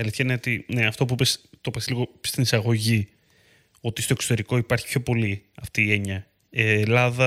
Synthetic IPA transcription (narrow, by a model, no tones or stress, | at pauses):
ɐliθçɐine̞o̞t̪ine̞ɐft̪o̞p̬uipest̪opɐsliɣo̞st̪inisɐɣo̞ʝi | o̞t̪ist̪oe̞kso̞t̪e̞ɾiko̞ipɐɾçi̥pço̞po̞liɐft̪iːe̞ɲɐ | eːlɐðɐ